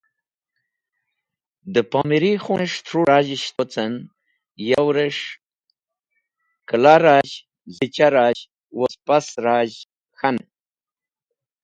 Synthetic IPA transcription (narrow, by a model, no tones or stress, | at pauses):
d̪əpamiɾixunʂt̪ʰɾuɾaːʑiɕt̪ot͡sən | jawɾeʂ | kəlaɾaːʑ | zit͡ɕaɾaʑ | wospasɾaːʑ | xan